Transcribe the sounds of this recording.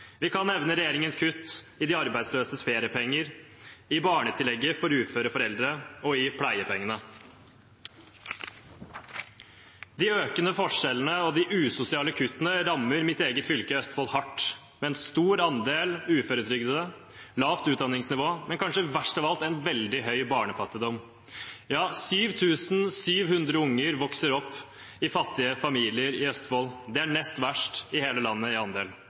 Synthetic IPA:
ʋɪkʰɑnɛʋnəɾɛjeːɾɪŋənskʰʉt̪ːɪd̪ɪɑɾbæɪd̪sløːsəsfeːɾɪəpʰɛŋːəɾɪbɑːɳət̪ʰɪlɛɡːəfɔɾʉːt̪føːɾəfɔɾɛld̪ɾəɔɪpʰlæɪəpʰɛŋːənə | d̪ɪøːkənəfɔʂɛlənəɔd̪ɪʔʉːsʊsɪɑːləkʰʉt̪ːənəɾɑmːəɾmɪt̪eːɡət̪fʏlkəœst̪fɔlhɑʈː | mɛɛnst̪uːɾɑnd̪eːlʉːføɾət̪ʰɾʏɡd̪əd̪ə | lɑːʋt̪ʉːt̪d̪ɑnːɪŋsnɪʋoːmɛnkʰɑnʂəʋæʂʈɑʋɑlt̪ɛnʋɛld̪ɪɦœʏbɑːɳəfɑt̪ːɪd̪ɔm | jɑːsyːʋt̪ʰʉːsn̩syːʋhʉnd̪ɾəʊŋːəɾʋɔksəɾɔpː | ɪfɑt̪ːɪəfɑmiːlɪəɾɪœst̪foːld̪ɛæɳɛst̪ʋæʂʈɪheːləlɑnːəɪɑnd̪eːl

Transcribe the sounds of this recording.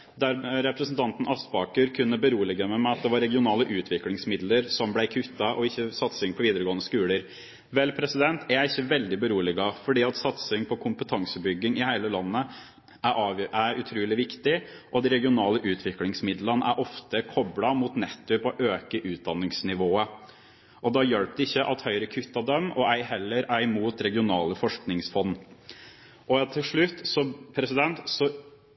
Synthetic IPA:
d̪æɾɾɛpɾəsn̩t̪ʰɑnt̪nʔɑst̪bɑːkəɾkʰʉnːəbəɾuːlɪɡəmɛmæɪɑt̪̚d̪ɛʋɑɾɛɡɪʊnɑːləʔʉːt̪ʰʋɪklɪŋsmɪd̪ləɾsɔmblæɪkʰʉt̪ːɑʔɔɪçːəsɑt̪sɪŋpʰɔʋiːd̪əɾəɡoːənəskʉːləɾ | ʋɛlpʰɾɛsɪd̪ɛnt̪ʰæɾæɪçːəʋɛld̪ɪbəɾuːlɪɡɑfɔɖiːɑt̪sɑt̪sɪŋpʰɔkʰʊmpət̪ʰɑŋsəbʏɡːɪŋɪhæɪləlɑnːə | ʔææɾʉt̪ʰɾuːlɪʋɪkt̪ɪʔɔd̪ɛɾɛɡɪʊnɑːləʔʉːt̪ʰʋɪklɪŋsmɪd̪lənəʔæ̰ɾʔɔft̪əkʰɔblɑmuːt̪nɛt̪ːʉpɔʔøːkəʔʉːt̪̚d̪ɑnːɪŋsnɪʋoːə | ʔɔd̪ɑjœlp̚d̪əɪçːəʔɑt̪hœʏɾəkʰʉt̪ːɑd̪œmːɔʔæɪhɛlːəɾæɾmuːt̪ɾɛɡɪʊnɑːləfɔʂknɪŋsfɔnː | ʔɔt̪ʰːɪlʂɭʉt̪ːsɔmpʰɾɛsɪd̪ɛnt̪sɔ

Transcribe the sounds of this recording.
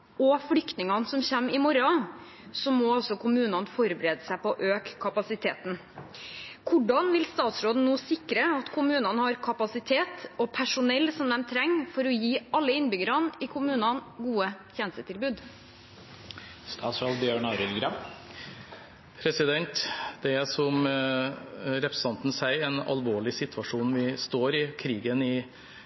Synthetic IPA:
ɔfɽʏkt̪nɪŋɑnsɔmçæmːɪmɔɾɑ | sɔmoːɔsɔkʰʊmʉːnɑnfɔɾbəɾeːd̪əsæɪpɔʔøːkkʰːɑpɑsɪt̪ʰeːt̪n | kʰʊɖɑnʋɪlst̪ɑːt̪sɾoːd̪n̩nuːsɪkɾəɑt̪kʰʊmʉːnɑnhɑɾkʰɑpɑsɪt̪ʰeːt̪ɔpʰæʂʊnɛlːsɔmd̪ɛmt̪ʰɾɛŋːfɔɾɔjiːɑlːəɪnbʏɡəɾɑnɪkʰʊmʉːnɑnɡuːəçeːnəst̪ət̪ʰɪlbʉːd̪ | st̪ʰɑ̰ːt̪sɾoːd̪bjøːɳɑɾɪlɡɾɑ | pʰɾɛsɪd̪ɛnt̪d̪̥ɛæsɔm | ɾɛpʰɾəsə̥ɑnt̪n̩sæɪɛnɑ̰lʋoːɭɪsɪt̪ʰʋɑʂuːnʋɪst̪oːɾɪkʰɾiːɡənɪ

